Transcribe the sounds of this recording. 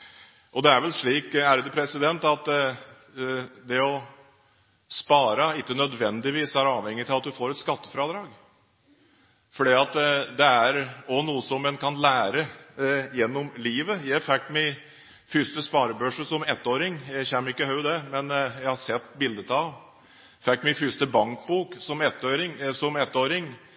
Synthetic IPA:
ʔɔd̪ɛæɾʋɛlʂɭiːkæɾd̪ʉpʰɾɛsɪd̪ɛnt̪ɑt̪ | d̪ɛɔ | spɑːɾəɪkːənœd̪ʋɛnd̪ɪʋiːsæɾɑːʋhɛŋːət̪ɪlɑt̪̚d̪ʉfoːɾɛt̪skɑt̪ːə̥fɾɑd̪ɾɑːɡ | fɔɖiːɑt̪d̪ɛæɾɔnuːəsɔmːɛnkʰɑnlæːɾəjɛnːɔmliːʋəjæɪfɛkːmæ | fʏst̪əspɑːɾəbœʂəsɔmɛt̪ːoːɾɪŋjæçɛmːɪkːəhɑʉd̪ɛmɛnjæɪhɑsɛt̪ːbɪld̪ət̪ʰɑʋ | fɛkːmɪfʏst̪əbɑŋkbuːksɔmɛt̪ːɾɪŋsɔmɛt̪ːoːɾɪŋ

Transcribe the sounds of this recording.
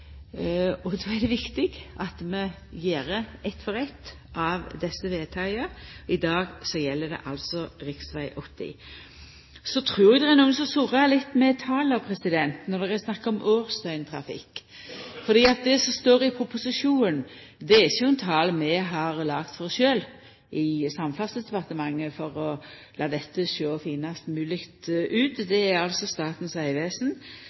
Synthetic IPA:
ɔd̪oːɛd̪ɛʋɪkt̪ɪɡʔɑt̪mɛ | jeːɾəɛt̪ːfɔɾɛt̪ː | ʔɑʋd̪ɛsːəʋeːt̪ʰɑɪəɾɪd̪ɑːɡsɔjɛlːəd̪ɛ̰ʔɑlt̪sɔɾɪksʋæɪʔɔt̪ːɪ̰ | sɔt̪ʰɾʉːɾɪd̪ɛʁɛnuːənsɔsʊɾəælɪt̪ːmɛt̪ʰɑːlɑʋpʰɾɛsɪd̪ɛnt̪nɔd̪ɛɛsnɑkːɔmʔøːɾst̪œʏnt̪ʰɾɑ̰fɪ̰kː | fɔɾd̪iːɑt̪̚d̪ɛsɔst̪oːɾɪpʰɾʊpʊsɪʂuːnd̪ɛɛçʊɛnt̪ʰɑːlmɛɦɑɾlɑːɡt̪fɔʁʃøːl | ʔɪsɑmfɑst̪əsd̪ɛpɑʁt̪əmɑŋːəfɔɾɔlɑːd̪ɛt̪ːəʃøːfiːnɑst̪mʉːlɪkt̪ʉːt̪d̪ɛæɑlsɔst̪ɑːt̪n̩sæɪʋeːsn̩

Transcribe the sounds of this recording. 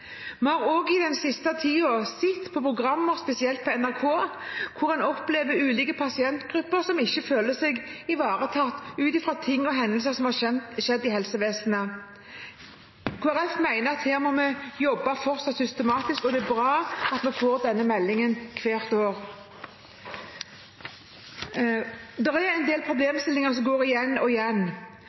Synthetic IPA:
mɛhɑːʁoːɡɪd̪ɛnsɪst̪ət̪ʰiːoːʁsɪt̪ːpʰɔpʰʁʊɡʁɑmːəʁspɛsɪɛlt̪̚pʰɔɛnæʁkʰoːkʰʊʁɛnɔpleːʋəʉːliːkəpʰɑsɪɛnt̪ɡ̥ʁʉpːəʁsɔmɪçːəføːləsɛɡɪʋɑːʁət̪ʰɑt̪ːʉːt̪ɪfɾɑt̪ʰɪŋːɔɦɛnd̪əl̩səʁsɔmhɑɛʃɛd̪ːɪhɛlsəʋeːsnə | kʰuːæɾɛfmæɪnəʁɑt̪heːʁmɔmɛjɔbːɑfɔʁtsɑt̪sʏst̪əmɑːt̪ɪskɔd̪ɛːbʁɑːɑt̪mɛfoːʁd̪ɛnːəmɛlːɪŋənkʰʋeːʁt̪oːʁ | d̪ɛʁæɾɛnd̪eːlpʰʁʊbleːmst̪ɪlːɪŋəʁs̬ɔmɡoːʁɪjɛnːɔɪjɛnː

